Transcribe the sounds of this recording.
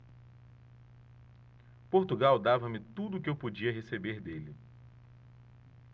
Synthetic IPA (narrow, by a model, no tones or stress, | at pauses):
poɾt̪uɡawd̪avɐmɪt̪ud̪ʊkɪewpod͡ʒiɐɦesebeɾd̪elɪ